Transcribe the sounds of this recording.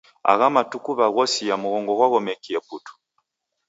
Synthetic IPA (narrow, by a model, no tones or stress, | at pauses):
a̰ɣamatukuβaɣɔsijamuɣɔŋɡɔɣwaɣɔmɛkiɛputu̥